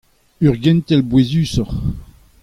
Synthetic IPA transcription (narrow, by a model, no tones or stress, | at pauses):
yʁɡɛnt̪ɛlbwezyːsɔʁ